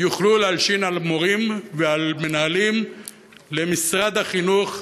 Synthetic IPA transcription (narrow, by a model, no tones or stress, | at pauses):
juχlulealʃinalmoʁimvealmenaalim | lemisʁad̪haχinuχ